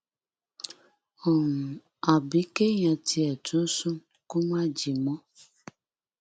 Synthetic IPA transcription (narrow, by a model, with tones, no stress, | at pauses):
ɔ˨ŋ̩˨ | a˨bi˦ke˦ɲa˨ti˨ɛ˨tʊ˦sʊ˦ | kʊ˦ma˦d͡ʒi˨mɔ˦